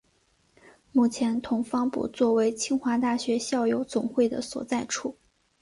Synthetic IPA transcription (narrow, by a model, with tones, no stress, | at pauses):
mu˥˩t͡ɕʰjɛ˧˥nt̪ʰʊ˧˥ŋfɑ˥ŋpṵ˥˧t͡swɔ˥˩we˧˥ɪt͡ɕʰi˥ŋxwa˧˥t̪a˥˩ɕɥɛ˧˥ɕjɑ˥˩ʊjo˧˥ʊt͡sʊ˨˩ŋxwe˥˩ɪd̪ə̰˩swɔ̰˨˩t͡sa˥˧ɪʈ͡ʂʰu˥˩